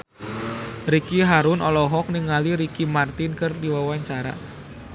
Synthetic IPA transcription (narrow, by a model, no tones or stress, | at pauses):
ɾikiɦaɾʊnʔɔlɔɦɔk̚niŋaliɾikimart̪ɪnkɨrdiwawaɲt͡ʃaɾa̰